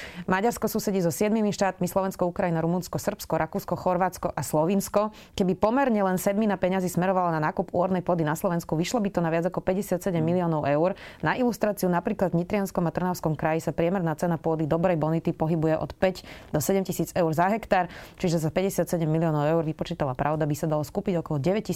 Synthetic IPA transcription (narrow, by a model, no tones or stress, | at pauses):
maɟaɾskɔsuːsɛɟizɔsɪɛd̪mimiʃt̪aːt̪mislɔʋɛnskɔukɾajinaɾumunskɔsr̩pskɔɾʔakuːskɔxɔɾʋaːt͡skɔʔaslɔʋinskɔ | kɛbipɔmɛɾɲɛlɛnsɛd̪minapɛɲazismɛɾɔʋalɔnanaːkupṵɦɔɾnɛjpʊɔd̪inaslɔʋɛnskuʋiʃlɔbit̪ɔnaʋad͡zakɔpɛɟɛsɪat̪sɛɟɛmːiliɔːnɔʊɛʊɾnaʔilust̪ɾaːt͡siunapɾiːklad̪vɲit̪ɾɪanskɔmat̪r̩naʊskɔmkɾajisapɾɪɛmɛɾnaːtt͡sɛnapʊɔd̪id̪ɔbɾɛjbɔnit̪ipɔɦibujɛʔɔ̰t̪pɛcd̪ɔsɛɟɛmcisiːd͡zɛʊɾzaɦɛkt̪aːɾt͡ʃiʒɛs̬apɛɟɛsɪat̪sɛɟɛmːiliɔːnɔʊɛʊɾʋipɔt͡ʃiːt̪alapɾʔaʊd̪abisad̪alɔskuːpiɟɔkɔlɔɟɛʋɛcci